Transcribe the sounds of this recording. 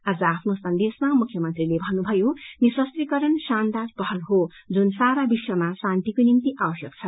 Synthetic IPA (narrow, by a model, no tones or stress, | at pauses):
ad͡zʌapʰnosʌnd̪esmamukʰjʌmʌnt̪rilebʱʌnːubʱʌjoniswʌst̪rikʌɾʌnsand̪arpʌɦʌlɦod͡zunsaɾabiswʌmasãnt̪ikonimt̪iʔabʌsjʌk̚t͡sʰʌ